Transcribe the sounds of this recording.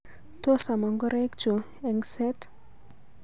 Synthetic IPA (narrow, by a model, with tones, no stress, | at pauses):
to˦sa˨mɔ˨ŋɡɔ˦ɾɛ˦kt͡ʃo˨ | ɛ˨ŋsɛ˦t